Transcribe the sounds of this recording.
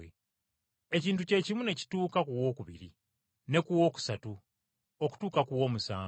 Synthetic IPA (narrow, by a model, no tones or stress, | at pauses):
e | eciːntuce̞ːcimuneci̥tuːkakuwo̞ːkuβḭɾḭ | ne̞kuwo̞ːku̥satu | oku̥tuːkakuwo̞ːmusa̰ː